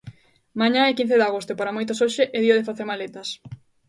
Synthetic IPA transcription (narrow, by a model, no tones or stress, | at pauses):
maɲãɛkin̟θeðaɣost̪opaɾamojt̪osoʃeʔeðioðefaθeɾmalet̪ɐs